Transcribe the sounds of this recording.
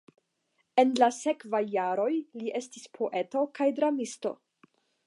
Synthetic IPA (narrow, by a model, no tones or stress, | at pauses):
e̞nlase̞kvajːaɾo̞jliʔe̞stispʰo̞ʔe̞to̞kajdɾamisto̞̰